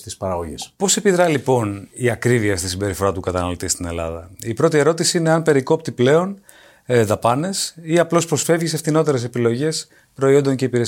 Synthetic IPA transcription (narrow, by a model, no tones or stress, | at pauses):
t̪ispɐɾɐɣoʝḛspo̞se̞piðɾɐlipo̞niɐkɾiviɐst̪isimbe̞ɾifo̞ɾɐt̪ukɐt̪ɐnɐlot̪ist̪ine̞̰lɐ̰ðɐipɾo̞t̪ie̞ɾo̞t̪isiineɐmpe̞ɾiko̞pt̪iple̞o̞n | ðɐpɐne̞siɐplo̞spɾo̞sfe̞vʝise̞fθino̞t̪e̞ɾe̞s̬e̞pilo̞ʝe̞s | pɾo̞iond̪o̞ɲce̞ipiɾe